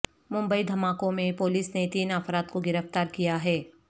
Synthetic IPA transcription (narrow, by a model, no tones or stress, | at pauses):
mʊ̃mbəid̪ʱɐmaːkõmẽpoːliːsnet̪iːnəfɾaːd̪̚koɡɪɾəft̪aːɾkijaɦɛː